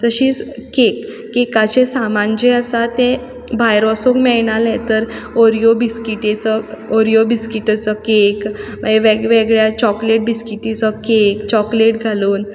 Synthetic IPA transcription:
t̪əɕiːkekː | ekat͡ɕesamand͡ʑeəsat̪ẽ | bajɾɔsokmɛɭɳalet̪əɾɔɾijobiskiʈet͡sɔoɾijobiskiʈət͡sɔkekməɡeʋeɡʋeɡɭjat͡ɕɔkleʈ̚biskiʈːit͡sɔkekt͡ɕɔkleʈ̚ɡʱaluːn

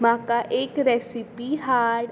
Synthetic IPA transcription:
mãkaʔeːkɾɛsipiɦaːɾɖ

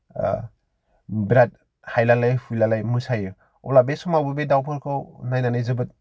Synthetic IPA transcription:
bɾat̚ | hajlalajhujlalajmɯsajɯ | ɔ̰labesɔmawbɯbedawpʰɯɾkʰɯwnajnanɯjzɯbɯt̚

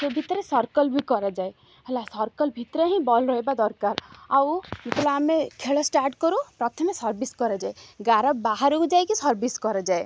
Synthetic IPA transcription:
sebʱit̪ɾesɔɾkɔlbikɔɾad͡ʒae | ɦelasɔɾkɔlbʱit̪ɾeɦĩbɔlɾɔɦebad̪ɔɾkaɾawit̪laːmekʰeɭɔsʈaɾʈkɔɾũpɾɔt̪ʰɔmesɔɾbiskɔɾad͡ʒaeɡaɾɔbbaɦaɾukd͡ʒajkisɔɾbʱiskɔɾad͡ʒae

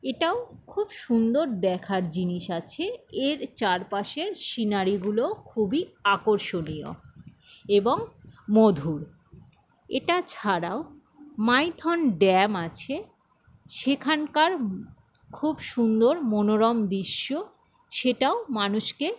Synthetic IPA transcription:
eʈaokʰubʃund̪oɾd̪ɛkʰaɾd͡ʑiniʃat͡ɕʰeeɾt͡ɕaɾpaʃeɾʃinaɾiɡulokʰubiakoɾʃonijo̰ | eboŋmɔd̪ʱuɾ | eʈat͡ɕʰaɾao | majt̪ʰɔnɖɛmat͡ɕʰe | ʃekʰankaɾ | kʰubʃund̪oɾmonoɾɔmd̪iʃːo | ʃeʈaomanuʃke

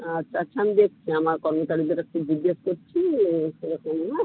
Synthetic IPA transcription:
at͡ɕat͡ɕʰamd̪ek̚ʰt͡ɕʰiamaɾkɔɾmot͡ʃaɾid̪eɾɛk̚ʈud͡ʑidːeskoɾt͡ɕʰiɾɛkʰoma

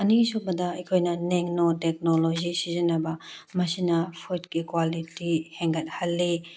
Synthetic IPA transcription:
ɐnisobɐdɐɐjkʰojnɐneŋnotek̚nolozisizinɐbɐmɐsinɐpʰot̚kikwalitiheŋɡɐt̚hɐlːi

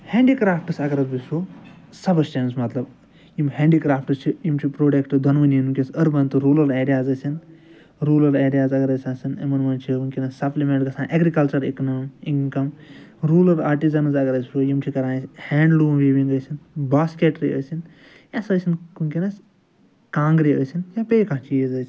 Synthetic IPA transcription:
heːɳɖikɾaːfʈɨsɐɡɐɾɐzbisoː | sɐbɐst͡ʃɐnsmɐt̪lɐb | jimhẽːɳɖikɾaːfʰʈɨst͡ʃʰijimt͡ʃʰipɾoːɖekʈɨd̪ʱɐnʋɐninukʲesɐɾbɐnt̪ɨɾuːlɐɾeːɾijaːzɐsʲin | ɾuːlɐɾeːɾijaːzɐɡɐɾɐsʲaːsinɐ̰mɐnmɐːnt͡ʃʰiuŋkinɐssɐplimẽɳʈɡɐsãːnʔɐɡɾikɐlt͡ʃɐɾiknoːminkɐmɾuːlɐɾaːɾʈizɐnɐzɐɡɐɾɐsʲpʰoːjimt͡ʃʰikɐɾãːshɛːɳɖluːnʋeːʋĩŋɡɐsʲinbaːskeːʈɾḭə̰ːsin | jɐsɐːsʲinkuŋkinɐs | kãːŋɡɾiəːsʲinjapeikãːt͡ʃʰiːzɐsi

